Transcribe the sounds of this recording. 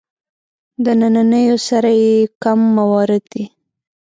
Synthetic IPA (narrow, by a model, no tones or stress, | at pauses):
d̪ənananəjosaɾajekamːawɑɾɪd̪d̪i